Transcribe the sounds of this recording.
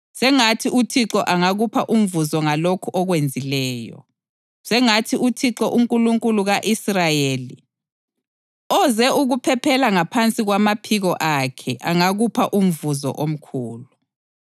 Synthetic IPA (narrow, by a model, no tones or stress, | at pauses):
sɛŋatʰiʔutʰiǁɔʔaŋaɣupʰaʔum̩vuzɔŋalokʰuʔɔɣwend͡zʱilɛːjɔ̰ | sɛŋatʰiutʰiǁɔʔuŋkʼuluŋkʼuluɣaʔisrajeːli | ɔzɛuɣupʰɛpʰɛlaŋapʰant͡sʼiɣwamapʰiɣɔʔakʰɛʔaŋaɣupʰaʔum̩vuzɔ̰ʔom̩kʰuːlu